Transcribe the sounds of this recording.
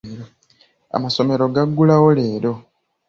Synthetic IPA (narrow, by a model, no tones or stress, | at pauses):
ɾo | a̰maso̞me̞ɾo̞ɡaɡːulawole̞ːɾo̞